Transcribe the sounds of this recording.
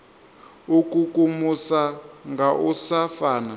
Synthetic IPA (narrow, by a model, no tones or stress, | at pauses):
ukukumusaŋɡaʔusafaːna